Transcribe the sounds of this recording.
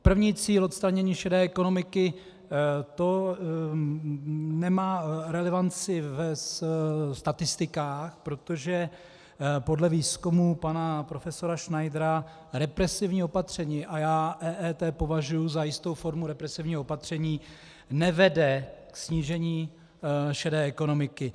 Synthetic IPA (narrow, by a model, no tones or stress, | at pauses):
pr̩vɲiːt͡siːlʔot̪st̪ɾaɲɛɲiːʃɛdɛːɛko̞no̞mɪkɪ | t̪o̞ | nɛmaːɾɛlɛvant͡sɪvɛsst̪at̪ɪst̪ɪkaːxpɾo̞t̪o̞ʒɛ | po̞dlɛviːskumupanapɾo̞fɛso̞ɾaʃnajdɾa | ɾɛpɾɛsɪvɲiːopat̪r̝̥ɛɲiːʔajaːʔɛːʔɛːt̪ɛːpo̞vaʒujuzajɪst̪o̞wfo̞ɾmuɾɛpɾɛsɪvɲiːɦoopat̪r̝̥ɛɲiː | nɛvɛdɛksɲiːʒɛɲiː | ʃɛdɛːʔɛko̞no̞mɪkɪ